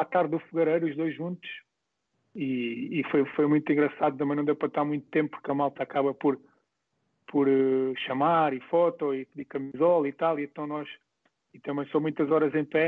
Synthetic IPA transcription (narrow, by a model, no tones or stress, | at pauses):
at̪aɾðːufuɣɐɾɐjɾuʒd̪ojʒʒũnt̪u̥ʃ | iːfojfojmũj̃t̪ĩŋɡɾɐsaðut̪ɐmɐ̃nɐ̃d̪ewpɾɐt̪aɾmũj̃t̪u̥t̪ẽmp̚puɾkɐmalˠt̪akaβɐpɔɾ | pʰɔɾʃɐmaɾifɔt̪ɔiikɐmizɔlˠit̪alˠiẽnt̪ɐ̃w̃nɔʃ | it̪ɐmɐ̃j̃somũj̃t̪ɐzɔɾɐzẽj̃pɛ